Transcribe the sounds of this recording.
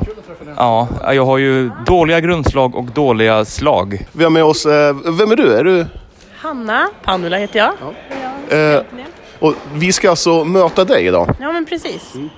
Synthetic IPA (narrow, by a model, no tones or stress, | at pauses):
ʔɑːa̰jɑːɡɦaɾjɵd̪oːlɪɡaɡɾɵnd̪slɑːɡɔ̰kd̪oːlɪɡaslɑ̰ːɡvɪhaɾmɛɔsvɛmæɖɵæɖɵ | hanːapʰanːʉlaheːt̪əja | ʔɔvɪskaalt̪sɔmøːt̪ad̪ɛjɪ̰d̪ɑ̰ːjɑːmɛnpʰɾɛsiːs